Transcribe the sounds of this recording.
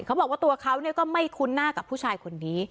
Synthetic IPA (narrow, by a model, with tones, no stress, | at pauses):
kʰa˦˥wbɔː˨˩k̚waː˥˩t̪u˧ɐkʰa˦˥wni˥˩ɐkɔː˥˩ma˥˩jkʰu˧nːaː˥˩ka˨˩pʰːuː˥˩t͡ɕʰaː˧jkʰo˧nːiː˦˥